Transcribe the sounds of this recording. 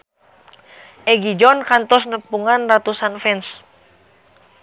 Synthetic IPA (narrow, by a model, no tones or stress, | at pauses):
ʔɛɡid͡ʒɔnkant̪ɔsnəpuŋanrat̪usanfɛns